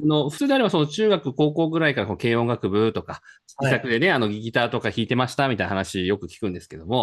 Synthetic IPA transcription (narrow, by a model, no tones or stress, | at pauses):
ano̞ɸɯ̟̥t͡sɨːd̪e̞aɾe̞baso̞no̞t͡ɕɨːɡakɯ̟ko̞ːko̞ːɡɯ̟ɾaikaɾakono̞ke̞ːõ̞ŋɡakɯ̟bɯ̟t̪o̞ka | i̥isakɯd̪e̞ne̞ano̞ɡʲiɡʲit̪aːt̪o̞kaçiːt̪e̞maɕi̥t̪amʲit̪ainahanaɕijo̞kɯ̟kʲi̥kɯ̟̃nd̪e̞sɨ̥ke̞d̪o̞mo̞